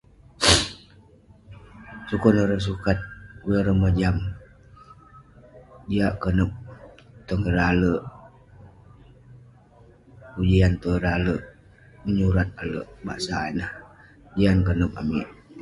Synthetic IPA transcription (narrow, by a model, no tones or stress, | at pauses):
sukɔnəɾəs̬ukat̪̚kuləɾəməd͡ʒam | diaʔkənəp̚t̪ɔŋəɾaləʔ | ud͡ʒiant̪əɾaləʔ | məɲuɾat̪̚alə̰ʔba̰ʔsainah | d͡ʒiankənəp̚a̰miʔ